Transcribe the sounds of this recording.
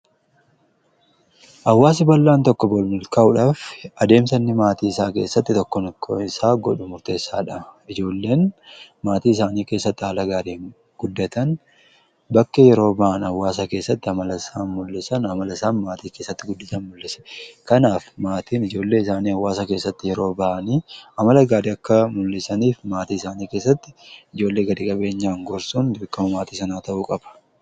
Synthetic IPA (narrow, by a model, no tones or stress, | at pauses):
ʔɐwːaːs̬ɪbɐlːaːnt̪ɔkːɔbɔlmɪlkɐʔʊᶑaːfɐd̪e̞ːmsɐnːɪmaːt̪iːɪsaːke̞̰ːsːɐt̪ːɪt̪ɔkːɔnkʰːɪsaːɡɔᶑʊmʊɾt̪e̞ːsːa̰ːᶑɐɪd͡ʒo̞ːlːe̞ːnmaːt̪iːɪsaːniːke̞ːsːɐt̪ːɪaːlɐɡaːɾeːn | ɡ̥ʊd̪ːɐt̪ɐn | bɐkːɛjɛɾo̞ːbɐʔɐnɐwːaːs̬ɐke̞ːsːɐt̪ːɪɐmɐlɐsaːnmʊlːɪsɐnɐmɐlɐsaːnmaːt̪iːke̞ːsːɐt̪ːɪɡʊd̪ːɐt̪ɐnmʊlːɪsɛ̥kɐnaːfmaːt̪iːnɪd͡ʒo̞ːlːe̞ːɪsaːniːɐwːaːsɐke̞ːsːɐt̪ːɪjɛɾo̞ːbɐʔɐniːɐmɐlɐɡaːd̪ɪɐkːɐmʊlːɪsɐniːfmaːt̪iːɪsaːniːke̞ːs̬ːɐt̪ːɪ̥ɪd͡ʒo̞ːlːe̞ːɡɐd̪iːkʼɐbe̞ːɲːaːŋɡɔɾsuːnd̪ʊːkːɐmɐmaːt̪iːsɐnaːt̪ɐʔuːkʼɐbɐ̥